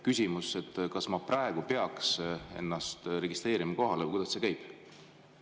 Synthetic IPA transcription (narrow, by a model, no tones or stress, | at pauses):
kysʲimuse̞t̪ːkɑsmɑprɑeɡ̥upe̞ɑkse̞̰nːɑst̪re̞ɡist̪re̞ːɾimɑko̞ɦɑlekujd̪ɑsse̞kæjb̥